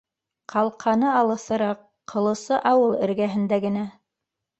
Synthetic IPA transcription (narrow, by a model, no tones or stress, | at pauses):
qʰɑlˠqʰɑnɤɑlˠɤ̆sɤ̆ɾɑqʰːɤ̆lˠɤ̆sɤʔɑwɤlˠɘ̆ɾɡæɦɘ̆nd̪æɡɘ̆næ